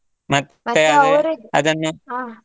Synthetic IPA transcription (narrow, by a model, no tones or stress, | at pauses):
mɐt̪ːeɐd̪eɐ̰d̪ɐnːu